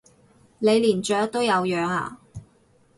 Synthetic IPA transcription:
le˨˧jliː˨˩nt͡ʃœː˨˥k̚t̪o˥wjɐ˨˧wjœː˨˧ŋa̰ː˨˩

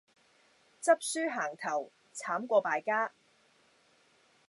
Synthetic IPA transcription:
t͡sɐ˥p̚syː˥ɦaː˨˩ŋt̪ʰɐ˨˩w | t͡sʰaː˨˥mkʷɔː˧paː˨˧jkaː˥

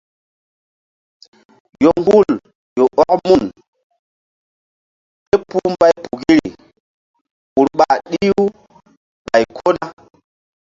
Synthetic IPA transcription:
jo˨ŋ˦ɡu˦˨l | jo˨ʔɔ˦kmu˦˨n | pe˦pu˦mba˦jpu˨ɡi˦ɾḭ˨ | ɓu˨ɾɓa˨ɗi˦ju˦ | ɓa˨jkʰo˦na˦

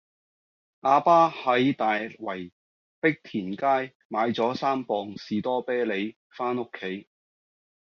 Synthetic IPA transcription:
ʔaː˧paː˥hɐ˨˥jt̪aː˨jwɐ˨˩j | pɪ˥k̚t̪ʰiː˨˩nkaː˥j | maː˨˧jt͡sɔː˨˥saː˥mpɔː˧ŋsiː˨t̪ɔː˥pɛː˥le˨˧j | faː˥no˥kʰːe˨˥j

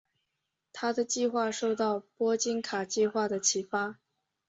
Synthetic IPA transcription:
t̪ʰa˥d̪ə˨t͡ɕi˥˧xwa˥˧ʂo˥˧ʊt̪ɑ˥˩ʊpwɔ˥t͡ɕi˥nkʰa˨˩t͡ɕi˥˧xwa˥˩d̪ə˩t͡ɕʰi˧˩fa˥

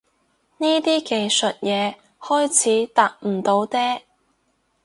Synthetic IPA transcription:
niː˥t̪iː˥ke˨jsɵ˨t̚jɛː˨˧ | hɔː˥jt͡sʰiː˨˥t̪aː˧k̚m̩˨˩t̪o˨˧wt̪ɛː˥

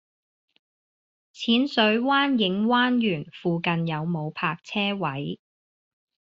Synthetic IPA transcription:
t͡sʰiː˨˥nsɵ˨˧˥ɥwaː˥njɪ˨˥ŋwaː˥njyː˨˩nfuː˨kɐ˨njɐ˨˧wmo˨˧wpʰaː˧k̚t͡sʰɛː˥wɐ˨˦j

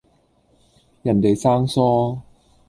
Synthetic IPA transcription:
jɐ˨˩nt̪e˨jsaː˥ŋsɔː˥

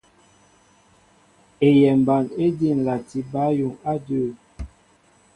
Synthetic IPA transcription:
e˨jɛ˨m˨ba˨ne˦di˦˨n̩˨la˨ti˦ba˦ju˨ŋa˦də˦˨

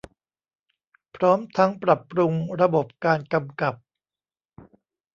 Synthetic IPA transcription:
pʰɾɔː˦˥mt̪ʰa˦˥ŋpɾa˨˩pːɾu˧ŋɾa˧bo˨˩p̚kaː˧nka˧mka˨˩p̚

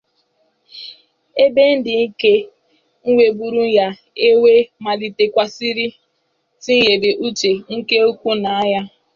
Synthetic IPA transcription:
e˦be˦n̩˦dɪ˨ŋ̩˦ke˦ | ŋ̩˦wʷe˨bu˨ɾu˦ja˦ | e˦we˦ma˨li˨te˨kʷa˨si˦ɾi˦ | si˦e˨be˨ʔu˦t͡ʃe˨ŋ̩˦ke˦o˦kʷu˦na˨a˦ja˦

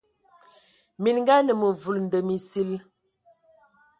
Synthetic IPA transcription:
mi˨nŋ˦ɡa˦nə˨mə˨vu˨ln̩˨də˨mi˨si˦l

